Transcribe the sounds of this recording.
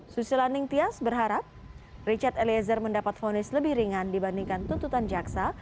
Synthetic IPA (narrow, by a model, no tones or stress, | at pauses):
susilanɪŋt̪iasbərɦaɾap̚ | rit͡ʃart̪eliɛzərməndapat̪fonɪsləbɪhɾiŋandibandiŋkant̪unt̪ut̪and͡ʒaksa